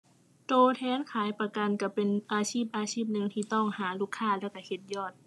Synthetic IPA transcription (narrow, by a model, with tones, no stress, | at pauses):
t̪oː˧t̪ʰɛː˧˥nkʰaː˨˦jpa˧ka˧nka˧˩pe˨nʔaː˨˧siː˥˩p̚ʔaː˧siː˥˩p̚nɯ˧ŋt̪ʰiː˧˩t̪ɔ˥˩ŋhaː˨˩˦luː˧˩kʰːaː˧˥˩lɛː˧˩wka˧˩he˧˦t̪̚jɔː˧˩t̪̚